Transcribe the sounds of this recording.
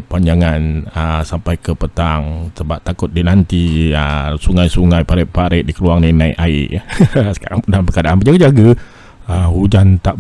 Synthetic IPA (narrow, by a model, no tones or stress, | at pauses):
paɲd͡ʒaŋanəsampajkəpət̪aŋsəbap̚t̪akʊt̪̚dinant̪iəsuŋajsuŋajpaɾɪpaɾɪʔ̚dikəluaŋninaḭʔaḭʔsə̥ka̰ɾaŋpunapəkadaʔanpəd͡ʒaɡəd͡ʒaɡə | əhud͡ʒant̪aʔ